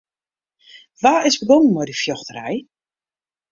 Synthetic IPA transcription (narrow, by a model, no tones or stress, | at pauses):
ʋaːɪsbəɡɔnənmɔjdəfjɔxtəɾɛ̰j